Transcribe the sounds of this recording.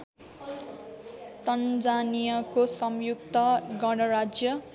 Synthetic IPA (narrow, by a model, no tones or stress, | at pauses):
t̪ʌnd͡zanijʌkosʌmjuk̚t̪ʌɡʌɽ̃ʌɾad͡zjʌ